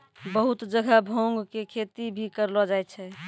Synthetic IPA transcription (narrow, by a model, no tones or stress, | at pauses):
bəɦut̪d͡ʒəɡʱəbʱõŋɡkekʰet̪ibʱikəɾlɔd͡ʒajt̪t͡ʃʰɛ